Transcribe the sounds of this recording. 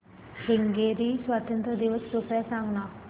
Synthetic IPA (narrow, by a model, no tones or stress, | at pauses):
hiŋɡeɾiːsʋat̪ənt̪ɾəd̪iʋəsːokɾasaŋɡna